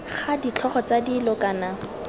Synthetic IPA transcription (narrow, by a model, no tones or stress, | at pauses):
χadit͡ɬʰɔχɔt͡sadilɔkaːna